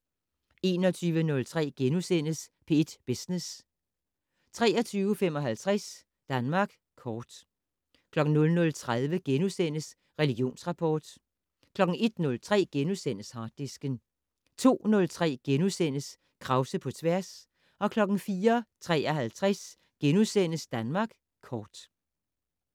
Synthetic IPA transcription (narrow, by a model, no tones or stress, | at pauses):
e̝ːnɒ̽t͡sʰyːʋənɔ̽lt͡sʰʁɛ̰ːɡ̥enusen̰əspʰe̝ed̥b̥esnes | t͡sʰʁɛ̰ːɒt͡sʰyːʊəfem̰ɒ̽ɦælt͡sʰʁas | d̥ænmɑ̈ɡ̥ | kʰɒːd̥ | kʰlɒ̽ɡ̥n̩nɔ̽lnɔ̽lt͡sʰʁað̞ˠʋəɡ̥enusen̰əs | ʁɛliɡ̥jo̝̰ːnsʁɑ̈pʰɒ̰ːd̥ | kʰlɒ̽ɡ̥n̩e̝d̥nɔ̽lt͡sʰʁɛ̰ːɡ̥enusen̰əshɑ̈ːd̥isɡ̥ən | t͡sʰo̝̰ːnɔ̽lt͡sʰʁɛ̰ːɡ̥enusen̰əs | kʰʁɑ̈ʊsəpʰɒ̽t͡sʰʋæɐ̰s | ɒ̽kʰlɒ̽ɡ̥n̩fiːɐt͡sʰʁɛ̰ːɒ̽ɦælt͡sʰʁɛs | ɡ̥enusen̰əsd̥ænmɑ̈ɡ̥ | kʰɒːd̥